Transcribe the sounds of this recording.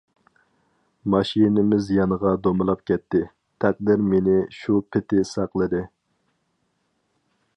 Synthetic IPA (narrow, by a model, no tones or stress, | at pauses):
mɑʃinɪmɪzjɑnəʁɑd̪omɨlˠɑp̚kʲɛt̪ʰːɪ | t̪ʰɛq̚d̪ɪɾmenɪʃupʰɪt̪ʰɪsɑqlˠɨd̪ɪ